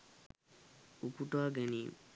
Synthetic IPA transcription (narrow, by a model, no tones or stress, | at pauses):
ukuʈaːɡeniː